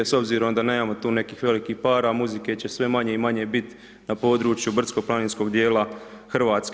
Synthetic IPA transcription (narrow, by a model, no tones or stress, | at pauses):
so̞bziːɾo̞md̪ane̞ːmaːmo̞t̪uːne̞kiːxʋe̞likihpaːɾamuzike̞t͡ɕe̞sʋe̞maɲe̞imaɲe̞bit̪ | napo̞ːd̪ɾut͡ʃjubr̩t̪sko̞plˠaniːnsko̞ɡd̪je̞ːlaxr̩ʋaːt̪sk